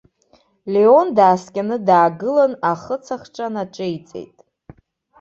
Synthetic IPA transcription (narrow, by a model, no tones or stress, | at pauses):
leo̞ndaːskʲʼanɨdaːɡɨlanaχət͡sʰaχʈ͡ʂʼanaʈ͡ʂʼɨit͡sʼe̞̰jtʼ